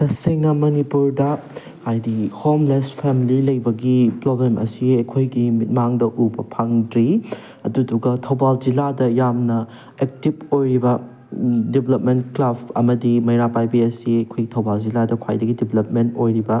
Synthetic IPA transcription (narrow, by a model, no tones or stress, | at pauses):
tɐseŋnɐmɐnipuɾdɐ | hajdihomlespʰemililɐjbɐɡipɾoblemʔɐ̰siɐjkʰojɡimit̚maŋdɐʔubɐpʰaŋdɾi | ɐduduɡɐtʰɐwbald͡ʒiladɐjamnɐ | ek̚tibojɾibɐ | dibelɐp̚mentklabɐ̰mɐdimɐjɾapajbiɐsiɐjkʰojɡitʰɐwbald͡ʒiladɐkʰwa̰jdɐɡidibelɐp̚mentojɾibɐ